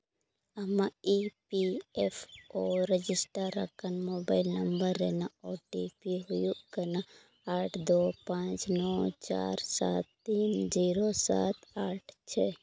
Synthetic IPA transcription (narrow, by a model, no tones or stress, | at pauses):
ɐmãipiɛpʰɔɾɛd͡ʒɪsʈəɾːə̰kʰənmoːbaɪlnɐmbəɾːɛnaoʈipiɦujuʔkəna | aːʈʰd̪oːpãt͡ʃnɔːt͡ʃa̰ɾsa̰t̪ːiːnd͡ʒiːɾosa̰t̪aːʈʰt͡ʃʰɛ